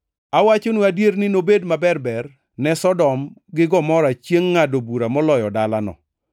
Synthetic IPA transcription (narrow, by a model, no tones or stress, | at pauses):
awat͡ʃonuadjeɾnɪnobedmabɛrbɛr | nɛsɔdɔmɡɪɡɔmɔɾat͡ʃjeŋːadobuɾamɔlɔjɔdalanɔ̰